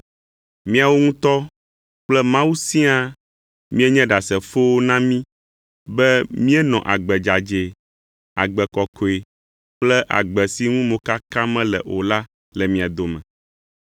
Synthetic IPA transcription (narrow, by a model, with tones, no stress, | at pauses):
mĩ˦a˨wo˦ŋũ˦t̪ɔ˦ | k͡plɛ˦mã˦wu˦sĩ˦a˦ | mĩ˦ɛ˦ɲɛ̃˦ɖa˨sɛ˨fo˦wo˦nã˦mĩ˦ | bɛ˦mĩ˦ɛ˦nɔ̰̃˨ʔa˨ɡ͡bɛ˨d͡ʒa˨d͡ʒe˨ | a̰˨ɡ͡bɛ˨kɔ˨kʰo˨e˨ | k͡plɛ˦ʔa̰˨ɡ͡bɛ˨si˦ŋũ˦mõ˨ka˦kã˦mɛ̃˦lɛ̰˨ʔo˨la˦ | lɛ˨mĩ˨a˨d̪o˨mɛ̃˨